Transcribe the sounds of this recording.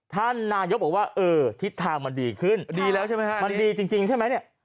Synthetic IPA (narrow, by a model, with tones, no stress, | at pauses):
t̪ʰa˥˩nːaː˧jo˦˥bwaː˥˩ʔɤː˧t̪ʰi˦˥t̪ʰːaː˧ŋma˧ndiː˧kʰɯ˥˩ndiː˧lɛː˦˥wt͡ɕʰa˥˩jma˦˥jkʰa˥ma˧ndiː˧t͡ɕi˧ŋt͡ɕi˧ŋt͡ɕʰa˥˩ma˦˥jni˥˩ɐʔ